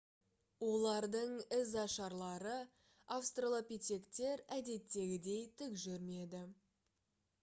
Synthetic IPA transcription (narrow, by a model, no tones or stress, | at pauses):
wo̞lˠɑɾd̪əɴɪzɑʃɑɾlˠɑɾə | afst̪rolˠopʲit̪ʲe̞kt̪e̞ɾæd̪e̞t̪ːe̞ɡʲɪd̪e̞jt̪ʰʏkʒʏɾme̞d̪ɪ